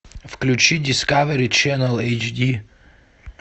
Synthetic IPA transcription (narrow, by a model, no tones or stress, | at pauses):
fklʲut͡ʃidʲiskavɛɾʲit͡ʃɛnəlˠejt͡ʃd̪ʲi